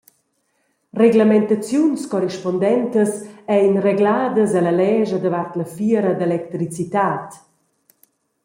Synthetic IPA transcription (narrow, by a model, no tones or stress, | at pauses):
reɡləmɛnt̪at͡sjunskɔriʃpɔnd̪ɛnt̪əsɛjnreɡlaːd̪əzələlɛːʒəd̪əvart̪ləfiəɾəd̪elɛk̚t̪ɾit͡sit̪aːt̪